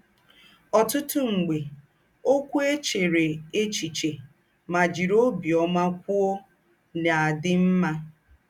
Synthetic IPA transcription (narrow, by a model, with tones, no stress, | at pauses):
ɔ˨tʊ˦tʊ˦ŋ͡m̩˨ɡ͡be˨ | o˦kʷu˦e˦t͡ʃe˨ɾe˨e˦t͡ʃi˨t͡ʃe˨ | ma˨d͡ʒi˨ɾo˦bi˨ɔ˦ma˦kʷʊ˦o˦ | na˨a˨dɪ˦m̩˦ma˦